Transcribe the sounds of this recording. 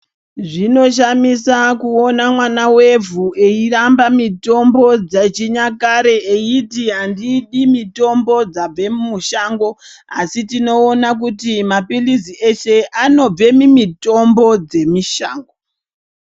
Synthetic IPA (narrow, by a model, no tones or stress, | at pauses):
ʐino̞ʃ̬amisakuo̞namwanawe̞vʱuʔe̞irambamito̞mbo̞d͡zat͡ʃiɲakaɾe̞eitiɦandiɗimito̞mbo̞d͡zab͡ve̞mmuʃaːŋɡo̞ | asitino̞ːnak̬utimapilizieʃe̞ano̞b͡ve̞mimito̞mbo̞d͡ze̞miʃa̰ːŋɡo